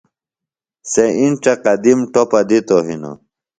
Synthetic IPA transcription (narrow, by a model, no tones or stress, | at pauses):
seinʈ͡ʂeqɐd̪imʈopɐd̪it̪oɦino̰